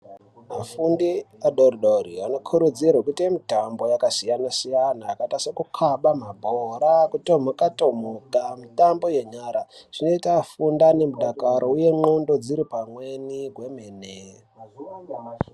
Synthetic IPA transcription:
mafundiaɗoriɗoɾiano̞kʰuɾud͡zirwakutiemitambo̞jakasijanasijanaːkatasakukʰaɓamabʱoɾakutomokato̞mokamitambo̞je̞ɲaɾaʐ̥ino̞itafundane̞muɗakaɾʔouje̞mondo̞d͡ziɾipamweniɡwe̞mene

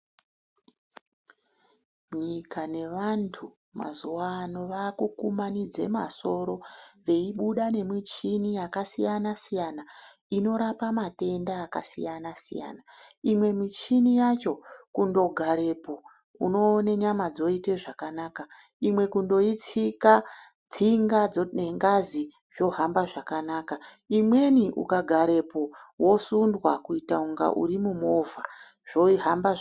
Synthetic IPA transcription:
ɲikane̞ʋantʰu | ma̰zuwaːno̞ʋakukumanid͡ze̞̰ma̰so̞ɾo̞ʋe̞iɓuɗane̞mit͡ʃinijakasijanasijana | ino̞ɾapamate̞ndaːka̰sḭjanasḭja̰na | imwe̞mit͡ʃinijat͡ʃo̞kundo̞ɡʱaɾe̞po | uno̞ːne̞ɲamad͡zo̞ite̞ʐakanaːka | imwe̞kundo̞it͡sika | d͡ziŋɡad͡zneŋɡazi | ʐ̥o̞ɦambaʐakanaːka | imwe̞niʔṵkaɡʱaɾe̞powo̞sundwakuitauŋɡa̰ʔṵɾimumo̞va | ʐ̥o̞iɦamba

